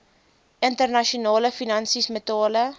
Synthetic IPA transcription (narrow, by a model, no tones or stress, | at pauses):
ʔəntərnɐʃiunɑːləfinɐnsismətɑːlə